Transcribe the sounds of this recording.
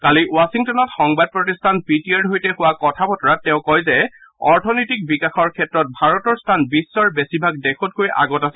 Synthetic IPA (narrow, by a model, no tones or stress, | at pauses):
kaliwasiŋtɔnɔtxɔŋbad̚pɹɔtistʰanpitiaɹdɦojtɛhʊwakɔtʰabɔtɔɹatːɛʊ̃kɔjzɛ | ɔɹtʰɔnɔjtik̚bikaxɔɹkʰɛtɹɔt̚bʱaɹɔtɔɹstʰanbisːɔɹbesibʱaɡ̚dekʰɔt̚kojʔa̰ɡɔtasɛ